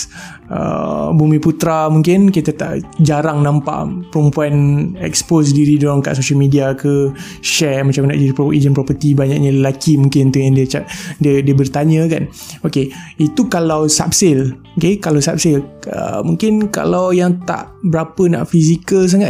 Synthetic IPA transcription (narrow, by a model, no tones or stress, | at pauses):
ə̰bumiput̪ɾamuŋkɪnkit̪at̪a̰ʔd͡ʒaɾaŋnãmpa̰ʔpəɾəmpuanɛ̰kspos̬diɾidlaŋka̰ʔsoʃəlmidiakə | ʃɛrmat͡ʃamna̰ʔd͡ʒiɾipɾɔpəʔid͡ʒənpɾɔpət̪ibaɲa̰ʔɲaləlakimuŋkɪnt̪ujaŋdiət͡ʃadiədiəbərt̪aɲə̃kan | okeit̪ukalawsa̰p̚sɪlokekalawsap̚sɪlə̰muŋkɪnka̰lawjaŋt̪a̰ʔbəɾapəna̰ʔfizikəls̬aŋa